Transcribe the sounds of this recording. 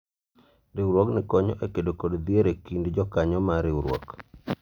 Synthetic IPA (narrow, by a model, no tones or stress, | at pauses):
ɾɪwɾwɔknɪkɔɲɔ̰ʔekedokodd̪jeɾekindd͡ʒɔkaɲɔmaɾɪwɾwɔ̰k